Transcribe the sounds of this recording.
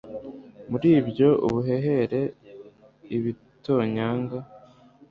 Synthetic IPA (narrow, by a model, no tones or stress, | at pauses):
muɾiːbjo̞ʔuβuɦe̞ɦe̞ɾe̞ | iβi | to̞ɲaːŋɡa